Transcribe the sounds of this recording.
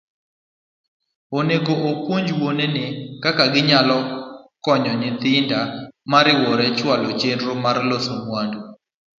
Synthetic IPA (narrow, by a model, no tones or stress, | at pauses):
oneɡoʔokwoɲd͡ʒwonenɪkakaɡɪɲalɔkɔɲɔɲɪt̪ɪndamaɾɪwɔɾɛt͡ʃwalot͡ʃendɾomarlosoŋwando